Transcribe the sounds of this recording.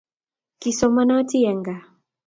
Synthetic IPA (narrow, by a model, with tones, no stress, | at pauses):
ki˨sɔ˨ma˦na˦ti˦jɛ˨ŋɡa˨